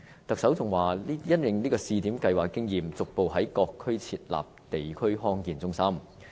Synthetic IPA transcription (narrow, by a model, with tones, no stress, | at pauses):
t̪ɐ˨k̚sɐ˨˥wt͡sʊ˨ŋwaː˨˩li˥jɐ˥t̚jɪ˨ŋliː˥kɔː˧siː˧t̪iː˨˥mkɐ˧jwaː˨˩kːɪ˥ŋjiː˨mt͡sʊ˨k̚po˨wɦɐ˨˥jkɔː˧kʰːɵ˥ɥt͡sʰiː˧t̚la̰ː˨p̚t̪e˨jkʰɵ˥ɥɦɔː˥ŋkiː˨˩nt͡sʊ˥ŋsɐ˥m